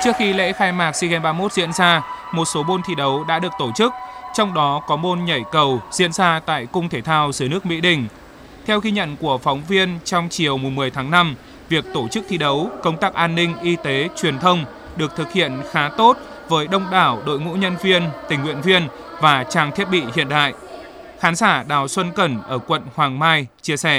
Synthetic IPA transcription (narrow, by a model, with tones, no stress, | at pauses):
t͡ɕɨ˦˥ək̚xi˧lḛ˧˥xaː˧jmaː˨˩k̚si˧ɣɛ˧nɓaː˧mo˦˥t̚zḭ˧˥ənzaː˧mo˨˩t̚so˨˦mo˧nt̪ʰi˧˩ɗə˨˦wɗa̰ː˧˥ɗɨ˨˩ək̚t̪o˧˩t͡ɕɨ˦˥k̚t͡ɕɔ˧wŋ͡mɗɔ˨˦kɔ˨˦mo˧nɲa˧˩jkə˨˩wzḭ˧˥ənzaː˧t̪a̰ː˧˨jkʊ˧ŋ͡mt̪ʰe˧˩t̪ʰaː˧wzɨː˧˨˩nɨ˦˥ək̚mḭ˧˥ɗï˧˩ŋ̟ | t̪ʰɛ˧wɣi˧ɲə̰˧˨nku˧˩əfɔ˨˦wŋ͡mvi˧ənt͡ɕɔ˧wŋ͡mt͡ɕi˨˩əwmʊ˨˩mɨ˨˩əjt̪ʰaː˨˦ŋna˧m | vi˨˩ək̚t̪o˧˩t͡ɕɨ˦˥k̚t̪ʰi˧ɗə˨˦wkə˧wŋ͡mt̪aː˦˥k̚ʔaː˧nːï˧ŋ̟ʔi˧t̪e˨˦t͡ɕwi˨˩ənt̪ʰə˧wŋ͡m | ɗɨ˨˩ək̚t̪ʰɨ˨˩k̚hḭ˧˨ənxaː˨˦t̪o˦˥t̚ | vəː˨˦jɗə˧wŋ͡mɗaː˧˩wɗo̰˧˨jŋṵ˧˥ɲə˧nvi˧ənt̪ï˨˩ŋ̟hwḭ˧˨ənvi˧ən | vaː˨˩t͡ɕaː˨˩ŋt̪ʰi˦˥ət̚ɓḭ˧˨hḭ˧˨ənɗa̰ː˧˨j | xaː˨˦nsaː˧˩ɗaː˨˩wswə˧nkə˧˩nʔəː˧˩kwə̰˧˨nhwaː˨˩ŋmaː˧jt͡ɕi˧əsɛ˧˩